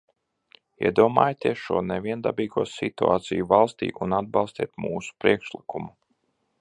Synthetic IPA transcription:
ḭɛd̪uɔmaːjt̪ʲiɛsʃṵɔnɛvʲiɛnd̪abiːɡuɔsit̪ua̰ːt̪sijuvalˠst̪ḭːʔunad̪̚bɑlˠst̪ḭɛt̪muːsu̥pɾiɛkʃlˠikumu

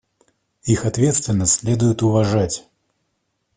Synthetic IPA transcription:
ixat̪vʲɛt̪st̪vʲɪnːəsʲlʲeɛd̪ʊjʊt̪ʊvaʐatʲ

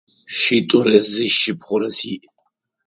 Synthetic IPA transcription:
ʃit̪ʼuɾɛziʃːipʰχuɾɛsiʔ

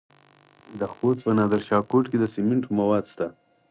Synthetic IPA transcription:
d̪əxot͡spənɑd̪əɾʃɑkoʈked̪əsemɪɳʈumawɑd̪st̪a

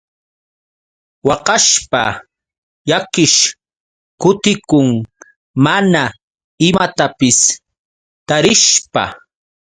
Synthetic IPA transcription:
wɑqɑʃpa̰ | jakɪʃ | kʊt̪ɪkʊŋ | mana | ɪmat̪apɪs | t̪aɾɪʃpa̰

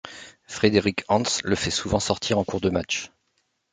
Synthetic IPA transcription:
fχed̪eʁikʰɑ̃sləfɛsuvɑ̃sɔʁt̪ʰiʁɑ̃kuʁd̪əmat͡ʃ

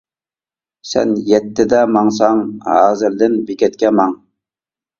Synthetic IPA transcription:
sɛ̰njɛt̪ːɪd̪ɛmɑŋs̬ɑŋhɑ̰ːzɪɾd̪ɪnbikʲɛt̪̚kʲɛmɑŋ

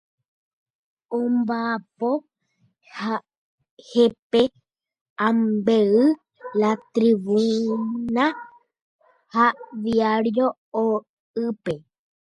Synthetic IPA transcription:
õmbapo | ha | hepe | ãmbeɨ | lat̪ɾiβũna | haʋiaɾjoː | ɨpe

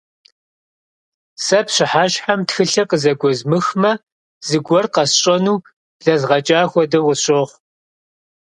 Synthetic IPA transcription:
sɐpɕɪħaːʃħamtxɨɬɐqəzɐɡʷɔzmɨxmɐ | z̥ɨɡʷɔrqɐsɕʼɐnuː | ɮɐzʁɐt͡ʃʼaːxʷɔdɐʁʷʊɕʼoːχʷ

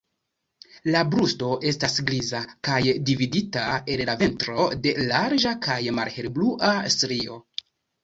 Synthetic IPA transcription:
labɾusto̞ʔe̞stasɡɾizakajdividitae̞nlave̞ntɾo̞de̞laɾd͡ʒakʰajma̰lhe̞ɾbluʔastɾio̞

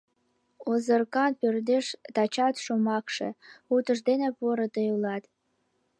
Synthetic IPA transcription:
ozərkɑnpørd̪eʃt̪ɑt͡ɕɑt̪ʃomɑkʃḛut̪əʒd̪enepuəɾət̪əjulɑt̪

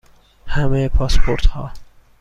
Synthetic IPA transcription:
hæmejepʰɒːspʰoɾt̪hɒː

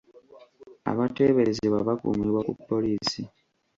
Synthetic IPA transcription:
a̰βate̞ːβe̞ɾe̞zeβwaβakṵmiβwakupːo̞liːsi

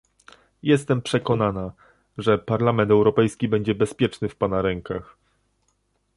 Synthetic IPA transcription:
jɛst̪ɛmpʂɛkɔnana | ʐɛpaɾlamɛnt̪ɛwɾɔpɛjskʲibɛɲd͡ʑɛbɛspʲjɛt͡ʂnɘfpanaɾɛŋkax

